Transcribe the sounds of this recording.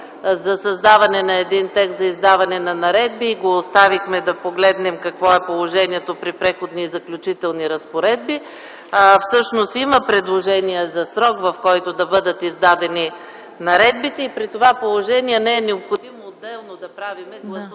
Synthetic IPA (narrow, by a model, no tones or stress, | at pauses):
zɐsɐzd̪avɐnɛnɐɛd̪int̪ɛk̪t̪zɐizd̪avɐnɛnɐnɐɾɛd̪̚biɡoːst̪avixmɛd̪ɐpoɡlɛd̪nɛmkɐkvɔɛpolˠoʒɛniɛt̪opɾipɾɛxod̪nizɐklʲut͡ʃit̪ɛlˠniɾɐspoɾɛd̪̚bi | fsɤʃnost̪iməpɾɛd̪lˠoʒɛniɛzɐsɾɔkvɐfkɔjt̪od̪ɐbɤd̪ət̪izd̪ad̪ɛni | nɐɾɛd̪̚bit̪ɛipɾit̪ovapolˠoʒɛniɛnɛɛnɛopxod̪imoːd̪ːɛlˠnod̪ɐpɾavimɛɡlˠɐs